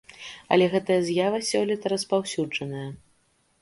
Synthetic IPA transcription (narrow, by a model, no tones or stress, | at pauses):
ɐ̰lʲɛɣɛt̪ɐjɐzʲjavɐsʲɔlʲit̪ɐɾɐspawsʲud͡ʐɐnɐjɐ